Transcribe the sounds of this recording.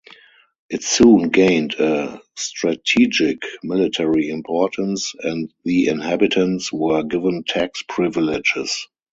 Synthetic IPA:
ʔɪtsũːnɡẽɪ̃ndəstɹatʰiːd͡ʒɪkmɪlɪtʰɛɹiɪ̃mpʰɔtə̃nsɛ̃ntðiɪ̃nhæbɪtʰə̃ntswɜː˞ɡɪvə̃ntʰækspʰɹɪvɪlɪd͡ʒɪ̰s

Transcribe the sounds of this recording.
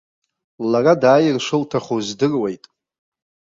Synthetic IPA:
laradaːjɪrʂɨltʰaχozdɨrwe̞jtʼ

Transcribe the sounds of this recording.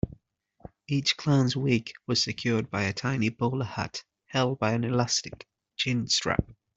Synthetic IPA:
iˑt͡ʃkʰl̥ãnzwiˑkwɒz̥sɪkʰj̥ɔːd̚baɪətʰãɪ̃nibɔːləhʌ̰t | hɛlˠd̚baɪə̃nɪlastɪk | t͡ʃʰɪ̃nstɹ̥a̰p̚

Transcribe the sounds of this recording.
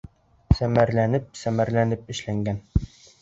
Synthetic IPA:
sæmæɾlænɘp̚sæmæɾlænɘp̚ɘ̆ʃlæŋɡæn

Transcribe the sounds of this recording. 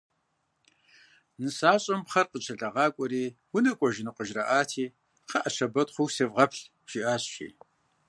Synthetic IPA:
nɨsaːɕʼɐmpχɐrqət͡ʃʰɐɬʼɐʁɑːkʷʼɔɾiːwʊnɨkʷʼɔʒɪnɨqəʒrɐʔaːtʰiː | qʰɐʔɐʃɐbɐtχʷʊxsevʁɐpɬ | ʒ̥iʔaːɕʃḭː

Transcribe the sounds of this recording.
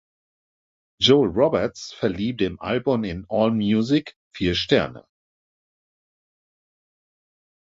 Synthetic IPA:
d͡ʒoʊɹɔbɛɐtsfɛɐliːp̚deːmʔa̰lbʊmɪnʔɔːlmjuzɪk | fiːɐʃtɛɐnə̰

